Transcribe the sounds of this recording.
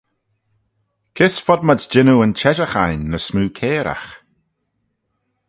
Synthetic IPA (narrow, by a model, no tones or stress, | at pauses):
kʰɪsfɔd̚mad͡ʒd͡ʒɪnuənt͡ʃʰɛʒaxajnːəsmuːkʰɛːɾʔa̰x